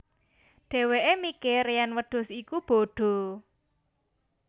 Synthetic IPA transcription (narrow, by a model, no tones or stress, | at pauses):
ɖ̪̥e̤weʔemikeɾejanwəɖ̪̥ʊ̤sikub̥o̤ɖ̪̥o̤